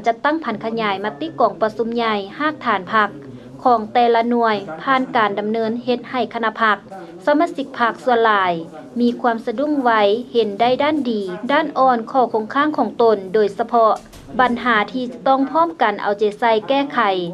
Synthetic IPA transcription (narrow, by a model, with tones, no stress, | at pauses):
t͡ɕa˧t̪ːa˥˨ŋpʰa˨˩˦nkʰa˧ɲaː˨˦jma˧t̪i˧˥˨kɔː˨˩ŋpa˧su˧˦mɲa˧jhaː˧˥˩k̚t̪ʰaː˨˦npʰa˧kʰː | ɔː˨˧˦ŋt̪ɛː˧la˧nu˧˩əjpʰaː˧˥˨nkaː˨˩nda˨˩mnɤː˧˥nhe˧˦t̪̚ha˨˩jkʰa˧na˧˥pʰa˧˥k̚ | sa˧˦maː˧˥si˧˦k̚pʰa˧˥k̚su˧ənlaː˨˧j | miː˧kʰwuaː˧˥msa˧du˧˥˨ŋwa˧jhe˨˦nda˧˥˨jdaː˥˨ndiː˨˩daː˥˨nʔɔː˧˩nkʰɔː˧˩kʰo˧˦ŋkʰaː˧˥˨ŋkʰɔː˨˩˦ŋt̪o˨˩ndoː˨˩jsa˧pʰɔ˧ | ba˨nɦaː˩˦t̪ʰiː˧t͡ɕa˧t̪ɔ˥˩ŋpʰɔː˥˨mka˨˩nʔa̰˨˩wt͡ɕa˨˧˦sa˧˨jkɛː˧˩kʰa˨˩j